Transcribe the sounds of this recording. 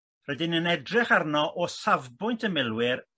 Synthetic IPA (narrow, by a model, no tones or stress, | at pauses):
rɛdɪnənɛdrɪχarnɔʔɔsavbʊjntʰəmɪlˠwɪr